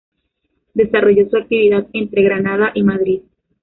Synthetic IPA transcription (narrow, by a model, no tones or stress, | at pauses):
d̪e̞saro̞ʝo̞suak̚t̪iβiðaðe̞nt̪ɾe̞ɣɾanaðaʔimaðɾið